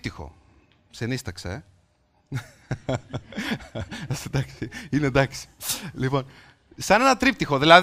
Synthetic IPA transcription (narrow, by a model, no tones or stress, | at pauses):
t̪ixo̞̰ | senist̪ɐkse | ɐst̪id̪ɐksiined̪ɐksi̥lipo̞n | sɐne̞nɐt̪ɾip̚t̪ixo̞ðilɐð